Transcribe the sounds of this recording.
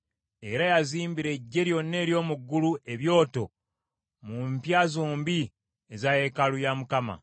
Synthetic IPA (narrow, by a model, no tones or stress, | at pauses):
e̞ɾajaziːmbiɾe̞ɟːe̞ɾjo̞nːe̞ːɾjo̞ːmuɡːuluʔe̞βjo̞ːto̞ | mumpjazoːmbi | ezaje̞kalujamukama̰